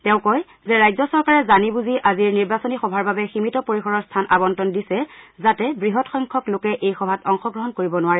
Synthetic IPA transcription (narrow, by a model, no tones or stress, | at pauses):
tɛ̃ʊ̃kɔj | zɛɹajzɔsɔɹkaɹɛzanibuziʔaziɹniɹbasonixɔbʱaɹbabɛximitɔpoɹixɔɹɔɹstʰanabɔntɔndisɛzatɛbɹiɦɔtxɔjŋkʰɔklokɛʔejxɔbʱatɔŋxɔɡɹɔɦɔnkoɹibɔnʊwaɹɛ